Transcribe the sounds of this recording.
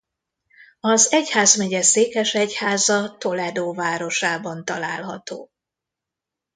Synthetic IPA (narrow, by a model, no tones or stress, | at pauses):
ɒzɛchaːzmɛɟɛseːkɛʃɛchaːzɒt̪o̞lɛd̪oːvaːɾo̞ʃaːbɒnt̪ɒlaːlɦɒ̰t̪o̰ː